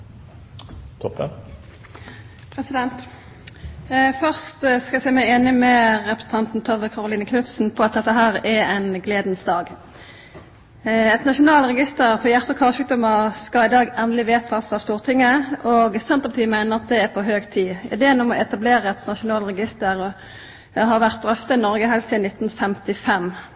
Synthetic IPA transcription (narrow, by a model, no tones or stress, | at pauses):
t̪ʰɔpːə | pʰʁɛsɪd̪ɛnt̪ | fœʁst̪skɑɛsɛmæɪeːnɪmɛʁɛpʁəsən̩t̪ʰɑnt̪n̩t̪ʰɔʋəkʰɑʁʊliːnəkʰnʉt̪sn̩pʰɔɑt̪̚d̪ɛt̪ːəɦæːʁɛɛɪnɡleːd̪nsd̪ɑːɡ | ɛt̪nɑʃʊnɑːlʁɛɡɪst̪əʁfɔjæʁt̪əkʰɑːʁʃʉːk̚d̪ɔməskɑɪd̪ɑːɡɛnd̪əlɪʋeːt̪ʰɑsɑʋst̪uːʁt̪ʰɪŋːəɔɡsɛnt̪ʁəpɑt̪iːmæɪnəʁɑt̪̚d̪ɛæɾpʰɔɦøːɡt̪ʰiːʔɪ̰d̪eːənɔmɔɛt̪ɑbleːɾəɛt̪nɑʃʊnɑːlɾɛɡɪst̪əɾ | ɦɑɾʋæʁt̪̚d̪ɾœft̪əɪnɔɾɡəɦɛɪlsɪːnɪt̪ːn̩fɛmt̪ɪfɛm